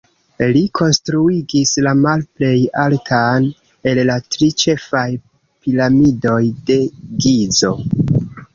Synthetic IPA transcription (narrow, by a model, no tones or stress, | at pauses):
likʰo̞nstɾuiɡislamalple̞jaltʰan | e̞llatɾit͡ʃe̞faj | pilamido̞jde̞ɡizo̞